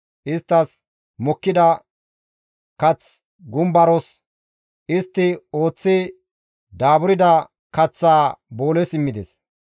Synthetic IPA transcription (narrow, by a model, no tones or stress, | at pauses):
ʔɪst̪ːɐs | mɔkːɪd̪ɐ | kɐt͡s | ɡʊmbɐɾɔs | ʔɪst̪ːɪo̞ːt͡sːɪ | d̪aːbʊɾɪd̪ɐ | kɐt͡sːaːbo̞ːlɛsɪmːɪd̪ɛ̰s